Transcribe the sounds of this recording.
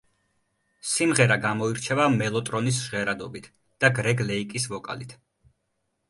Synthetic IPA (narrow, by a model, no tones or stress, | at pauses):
simʁɛɾaɡamɔiɾt͡ʃʰɛvamɛlˠɔt̪ʼɾɔnisʒ̥ʁɛɾad̪ɔbit̪ʰ | d̪̥aɡɾɛɡlɛikʼisvɔkʼa̰lit̪ʰ